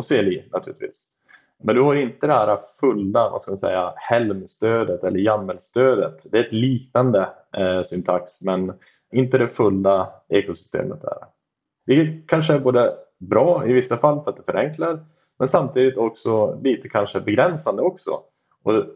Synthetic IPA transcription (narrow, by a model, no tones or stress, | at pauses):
ɔseːlinʔat̪ʰʉːɾɪt̪vḭːs | mɛnd̪ɵhaɾɪnt̪əd̪ɛhæːɾafɵlːava̰skamansɛ̰jːahɛlmst̪øːd̪ət̪ɛlːəɾjamːəlst̪øːd̪ə̰t̪d̪ɛæɾɛt̪liːknand̪ə | sʏnt̪ʰaksmɛn | ɪnt̪əd̪ɛfɵlːaeːkʊsʏ̥st̪ḛːmət̪̚dæ̰ːɾ | d̥̪ɛkʰanʂəæɾboːd̪əbɾɑːɪvɪsːafalːfœɾat̪d̪ɛfœɾʔɛŋklaɾ | mɛnsamt̪ʰiːd̪ɪt̪ɔksɔliːt̪əkʰanʂəbɛɡɾɛnsand̪əɔksɔ̰ | ʔɔ